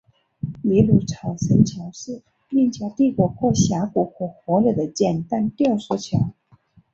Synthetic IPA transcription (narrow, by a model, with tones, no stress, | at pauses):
i˧˥lu˧˥ʈ͡ʂʰɑ˨˩ʊʂə˧˥nt͡ɕʰjɑ˧˥ʊʂ̩˥˩ | i˥˩ŋt͡ɕjɑ˧˥ʊt̪i˥˩kɔ˧˩xwɔ˥˩ɕja˧˥ku˨˩xwɔ˥˩xwɔ˧˥lə˨˩d̪ə˦t͡ɕjɛ˥˧nt̪a˥˧nt̪ijswɔ˧˥t͡ɕʰjɑ˧˥ʊ